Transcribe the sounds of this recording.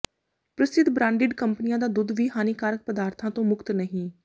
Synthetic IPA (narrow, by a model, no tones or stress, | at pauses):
pɾəst̪ɪt̪bɾãːɳɖɪɖkəmpənɪjãːd̪aːd̪ʊd̪ʋiːɦaːniːkaːɾək̚pəd̪aːɾt̪ʰãːt̪õːmʊkt̪nəɦĩː